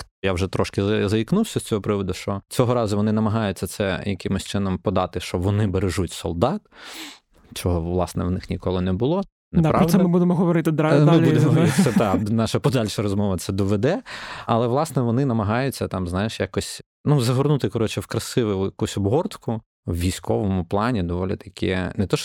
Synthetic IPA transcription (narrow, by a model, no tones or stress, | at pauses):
jawʒɛt̪ɾɔʃkɪzɐiknuwsʲɐsʲt͡sʲɔɦɔpɾɪʋɔd̪ʊʃt͡ʃɔt͡sʲɔɦɔɾɑzʊʋɔnɪnɐmɐɦɑjʊt͡sʲːɐt̪sɛ̰jɐkɪmʊsʲt͡ʃɪnɔmpɔd̪ɑt̪ɪʃt͡ʃɔʋɔnɪbeɾeʒutʲsɔ̰lˠd̪ɑt̪ | t͡ʃɔɦɔʋlˠɑsnɛ̰ʋnɪxnʲikɔlˠɪnɛbʊlˠɔ | nd̪pɾɑdsɛmɪbud̪emɔɦɔʋɔɾɪt̪ɪd̪amɪlʲuemɔɪɛt̪ɑnɑʃɐpɔd̪ɑlʲʃɐɾɔzmɔʋɐt̪sɛd̪ɔʋɛd̪ɛɐlˠɛʋlˠɑsnɛʋɔnɪnɐmɐɦɑjʊt͡sʲːɐt̪ɑmznɑjɪʃjakɔsʲ | nuzɐɦɔrnut̪ɪkɔɾɔt͡ʃɪwkɾɐsɪʋʊjʊjɐkusʲɔbɦɔrt̪kʊ | wʋʲijsʲkʰɔʋɔmʊplˠɑnʲid̪ɔʋɔlʲɪt̪ɐ̥kʲɪɛnɛt̪ɔʃ